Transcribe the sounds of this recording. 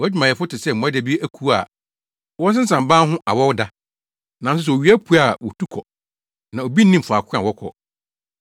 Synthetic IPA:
ɔ˨˦d͡ʑᶣi˨mã˨jɛ˨fʊ˦tɪ˨sɛ˦˨ũ˨˦a˦dæ˨bi˦e˦æ˦kʰu˦a̰˨ | wɔ˦s̬ɪ̃˦n̩˦sã˨m˨bãː˦ɦʊ̃˦ʔa˨wɔ˦wda˦ | nã˨s̬ʊ˦s̬ɛ˨o˨ɥi˦æ˦pʰu˨˦a˨wɔ˨tʰu˦kʰɔ˨ | nã˨o˨bi˦n̩˦nĩ˦m˨fʊ˨a˨kʰʷã̰˨wɔ˦kʰɔ̰˨

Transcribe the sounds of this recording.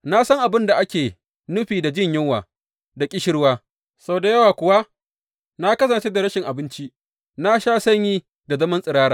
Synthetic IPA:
na˦sɐ˦ŋʔa˨bɪ˦nda˨ʔa˦kʲeː˨ | nʊ˦ɸiː˨da˨d͡ʒɪ˦ɲjɪ˦ŋwaː˨ | da˨kʲʼɪ˦ʃɪ˦ɽwaː˦ | sa˦˨da˨jɐ˦waː˨kʷʊ˨wa˦ | na˦kɐ˦s̬ɐ˨nt͡ʃeː˦da˨ɾɐ˦ʃɪ˨ŋʔa˨bɪ˦nt͡ʃi˦ | na˦ʃaː˦sɐ˦ɲjiː˦ | da˨zɐ˦mɐ˦nsʼɪ˨ɾaː˦ɾaː˨

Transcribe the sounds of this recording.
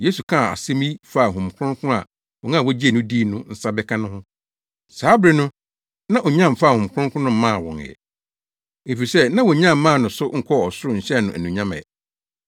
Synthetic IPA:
jeː˦su˨kʰã˦˨a̰˨sẽ˦mĩ˦fa˦˨ɦʊ̃˨mkʰʊ̃˦kʰʊ̃˦a̰˨ | wɔ˨ŋã˦˨wɔ˦d͡ʑi˦e˨nʊ̃˦di˦nʊ̃˦n̩˦sa˦bɛ˦kʰã˦nʊ̃˦hʊ̃˦ | saː˦bɾɪ˦nʊ̃˦ | nã˦˨ʔɔ˨ɲã˦˨m˨fa˦˨hʊ̃˨m˨kʰʊ̃˦kʰʊ̃˦nʊ̃˦m̩˦mã˦˨wɔ̰̃˨ŋ˨ɛ̰˨ | e˨fi˨sɛ˦nã˦wɔ˨ɲã˦˨mː˨˦ã˦˨nʊ̃˨sʊ˦ŋ̩˨kʰɔ˦˨ɔ˨sʊ˦ʊ˦ɲ̩˨ɕɛ˦nʊ̃˨ʔæ˨nũ˨ɲã˦mɛ̰˨ɛ̰˨

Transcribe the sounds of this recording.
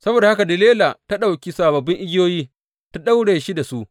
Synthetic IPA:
sɐ˦boː˨da˨hka˨dɪ˨leː˦laː˨ta˦ɗa˨wkʲi˦saː˨bɐ˨bːɪ˦ŋʔɪ˦ɡʲɪ˦joː˦jiː˦ | ta˦ɗa˦wɽeː˨ʃi˦da˨su˦ʔ

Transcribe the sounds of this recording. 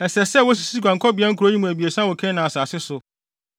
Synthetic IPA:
ɛ˨sɛ˨sɛ˦˨wɔ˦s̬i˨si˦ɡʷã˨ŋkʰɔ˦bɪ˨˦a˦ŋ̩˦ku˨ɾo˦ɲĩ˦mũ˨æ˨bi˨e˨sã˦wɔ˨kʰɛ̃˦nã˨a˨saː˨sɪ˦sʊ˨

